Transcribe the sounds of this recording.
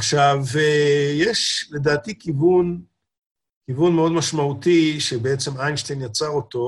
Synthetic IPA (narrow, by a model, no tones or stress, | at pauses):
aχʃavejeʃle̞d̪aːt̪ikivun | kivunmeo̞d̪maʃmaut̪iʃebeet͡se̞majnʃtejnjat͡saʁo̞t̪o̞